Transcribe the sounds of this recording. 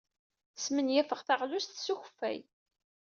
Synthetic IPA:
θəsmənjæfəʁθaʁlust̪suçfːæ̰j

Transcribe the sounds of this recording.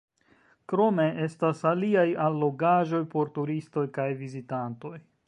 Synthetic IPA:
kɾo̞me̞ʔe̞stasaliajalːo̞ɡaʒo̞jpo̞ɾtuɾisto̞jkajvizitanto̞j

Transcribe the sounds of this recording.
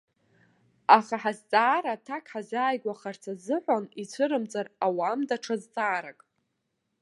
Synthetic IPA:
aχaħazt͡sʼaːɾatʰakʰʼħazaːjɡʷaχart͡sʰazɨħʷanit͡sʷʰɨɾɨmt͡sʼarawamdaʈ͡ʂʰazt͡sʼaːɾakʼ

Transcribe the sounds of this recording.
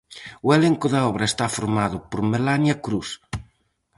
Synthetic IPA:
ʊeleŋkʊðɐɔβɾɐest̪afoɾmaðʊpoɾmelanjɐkɾus

